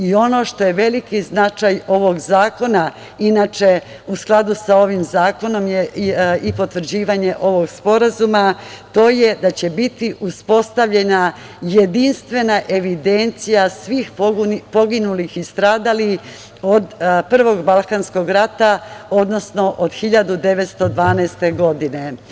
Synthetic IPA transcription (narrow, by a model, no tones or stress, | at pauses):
io̞no̞ʃt̪o̞jeʋe̞likiznat͡ʃajo̞ʋo̞ɡzaːko̞na | inat͡ʃe̞ | usklˠad̪usao̞ʋimzaːko̞no̞mjeipo̞t̪ʋr̩d͡ʑiːʋaɲe̞ʔo̞ʋo̞ɡspo̞ɾazumat̪o̞ːje̞d̪at͡ɕe̞bit̪iʔuspo̞st̪aʋʎe̞na | jed̪inst̪ʋe̞naʔe̞ʋid̪e̞nt̪sijasʋiːxpo̞ɡinulixist̪ɾaːd̪ali | od̪pr̩ʋo̞ɡbalˠkansko̞ɡɾat̪ao̞d̪no̞sno̞ʔod̪xiʎad̪ud̪e̞ʋet̪st̪o̞d̪ʋaːnɛːst̪e̞ɡo̞d̪ine̞